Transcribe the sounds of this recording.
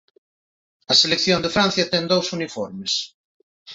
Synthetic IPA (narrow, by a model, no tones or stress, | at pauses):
ɐselekθjond̪ɪfɾan̟θjɐt̪ɛŋd̪owsunifɔɾmes